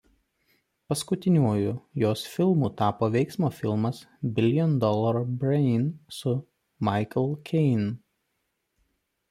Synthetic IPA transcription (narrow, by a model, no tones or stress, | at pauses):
pɐskʊt̪ʲɪnʲuɔjʊjoːsfʲɪlˠmuːt̪ɑːpoːʋʲɛɪksmoːfʲɪlˠmɐsbʲɪlʲjɔnd̪ɔlˠɐɾbʲɾɛɪnsʊ | mɑɪkɐlˠkʲʰɛɪn